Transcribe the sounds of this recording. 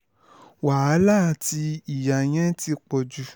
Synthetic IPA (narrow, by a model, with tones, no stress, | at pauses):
wa˨a˨˦la˦˨ti˧i˨ja˨j̃ɛ̃˦ti˧k͡pɔ˨d͡ʒu˨